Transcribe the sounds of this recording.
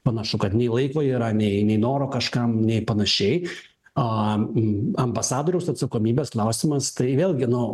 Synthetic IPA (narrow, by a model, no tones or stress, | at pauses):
pɐnɐʃʊkɐt̪nʲɛɪlˠɐɪkoːiːɾɐnʲɛɪnʲɛɪnoːɾoːkɐʃkɐmnʲɛɪpɐnɐʃʲɛɪ | ɐ | ɐmbɐsɑːd̪oːɾʲɛʊsɐt̪sɐkoːmʲiːbʲeːsklˠɐʊsʲɪmɐst̪ɐɪʋʲeːlˠʲɡʲɪnʊ